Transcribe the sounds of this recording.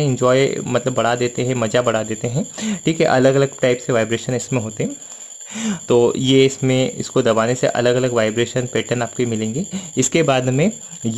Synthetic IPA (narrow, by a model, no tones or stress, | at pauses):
ɪ̃ɲd͡ʒɔːemɐt̪ləbːɐɽ̤ad̪eːt̪eɦɛ̃mɐd͡ʒabɐɽ̤ad̪eːt̪eɦɛ̃ʈʰiːkɦɛ̰ʔɐləɡɐləɡʈaːɪpseʋaːɪbɾeːʃənɪsmẽɦoːt̪eɦɛ̃ | t̪oːjeɪsmẽɪ̰skod̪ɐbaːnesḛʔɐ̰ləɡɐləɡʋaːɪbɾeːʃənpeːʈənaːp̚koimɪlẽːŋɡeɪskebaːd̪mẽ | j